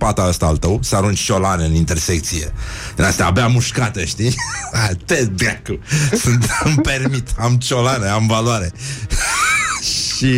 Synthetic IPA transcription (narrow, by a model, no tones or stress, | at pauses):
pat̪aəst̪aːlt̪əwsəaɾunt͡ʃt͡ʃolaneɨnint̪e̞rsek̚t̪siḛɨnast̪a̰ːbeamuʃkat̪əʃt̪iat̪ed̪akusɨnt̪mpermit̪amt͡ʃolaneamvalwaɾe | ʃi